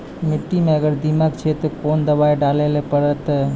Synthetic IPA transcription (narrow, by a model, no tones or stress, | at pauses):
mɪʈːimẽəɡəɾd̪ɪmək̚t͡ʃʰet̪okoːnd̪əbaːiɖaːlelepəɾət̪